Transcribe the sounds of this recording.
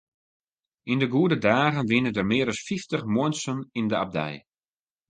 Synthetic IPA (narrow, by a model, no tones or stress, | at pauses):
indəɡuədədaːɣənʋɪnədərmɪəɾɔsfiftəχmɔənsənindəa̰b̚dɛ̰j